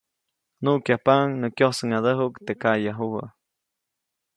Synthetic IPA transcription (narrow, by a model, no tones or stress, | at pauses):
nukjahpaŋnɨkjohsəŋad̪əɦukt̪ekajaɦuha̰